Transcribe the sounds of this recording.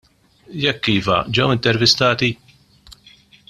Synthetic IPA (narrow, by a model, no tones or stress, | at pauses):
jɛkːiːfɐ̰d͡ʒɛwɪnt̪ɛɾvɪst̪ɐːt̪i